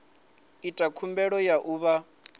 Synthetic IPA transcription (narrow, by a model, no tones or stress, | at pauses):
itʼakʰumbɛɺɔjaʔuːβa